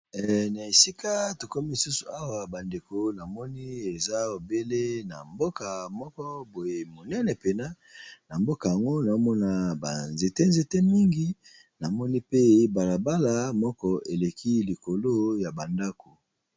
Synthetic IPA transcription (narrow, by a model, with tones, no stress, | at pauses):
ɛ˨na˨e˨si˦ka˦to˨ko˦mi˦li˨su˦su̥˨a˦wa˨ba˨nde˨ko˨na˨mɔ˦ni˦e˨za˦o˨be˦le˦na˨mbo˦ka˨mɔ˦kɔ˦bo˨je˨mo˨nɛ˦nɛ˨pe˨na˦ | na˨mbo˦ka˨ja˨ŋɡo˦na˨˦mɔ˦na˦˨ba˨nze˨te˦nze˨te˦mi˦ŋɡi˦ | na˨mɔ˦ni˦pe˦ba˨la˨ba˦la˦mɔ˦kɔ˦ʔe˨le˨kʰi˦li˨ko˨lo˦ja˨ba˨nda˦ko˨